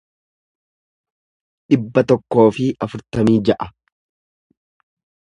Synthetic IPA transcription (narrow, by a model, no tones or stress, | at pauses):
ᶑɪbːɐt̪ɔkːo̞ːfɪɐfʊɾt̪ɐmiːd͡ʒɐʔɐ